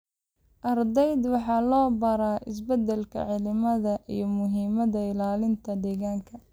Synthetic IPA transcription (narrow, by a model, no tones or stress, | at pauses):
ʔɐrd̪ɛjd̪wɑħɑːlɔːbɐɾaːʔɪs̬bɐd̪ɛlkʰɐ̰ʕɪlɪmɐðɐʔḭjɞmʊɦiːmɐðɐɪlaːlɪnt̪ʰɐd̪ɛːɣaːŋkʰɐ